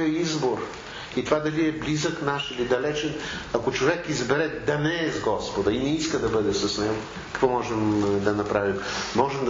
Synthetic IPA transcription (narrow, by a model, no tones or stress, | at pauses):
ɐizboɾ | it̪ovad̪ɐliɛblizəknaʃilid̪ɐlɛt͡ʃɛn | ɐkot͡ʃovɛkizbɛɾɛd̪ɐnɛːzɡɔspod̪ɐinɛiskəd̪ɐbɤd̪ɛsɐsnɛɡo | kɐ̥kvɔmɔʒɛmd̪ɐnɐpɾavimmɔʒɛmd̪